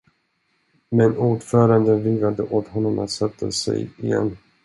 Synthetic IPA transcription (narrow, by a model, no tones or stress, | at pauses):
mɛnuːɖfœːɾand̪ənviːɡad̪əʔoːt̪hɔnːɔma̰t̪sat̪ʰːəsɛ̰jɪjɛ̰nː